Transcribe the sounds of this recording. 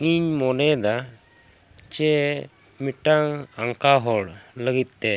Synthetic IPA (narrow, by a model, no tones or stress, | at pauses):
ŋiɲmɔnɛd̪a | t͡ʃɛ | miʈaŋaŋkaɦɔɽləɡit̪̚t̪ɛ